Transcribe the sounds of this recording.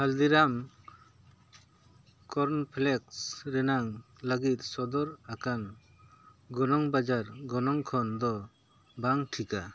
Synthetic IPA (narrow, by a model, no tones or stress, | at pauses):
hald̪iɾam | kɔɾnpʰlɛksɾɛnaŋ | ləɡit̪sɔd̪ɔɾakan | ɡɔnɔŋbad͡ʒaɾɡɔnɔŋkʰɔnd̪ɔ | baŋʈʰika